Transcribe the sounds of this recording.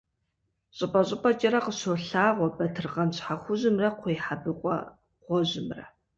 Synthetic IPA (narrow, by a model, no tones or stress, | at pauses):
ɕʼɪpʼɐɕʼɪpʼɐt͡ʃʼɐɾɐqəɕoɬaːʁʷɔbɐtʰɨrʁɐmɕħaχʷʊʑɪmrɐqʷʰɔjħabɨqʷʼɔ̰ | qʷɔʑɪmrɐ̰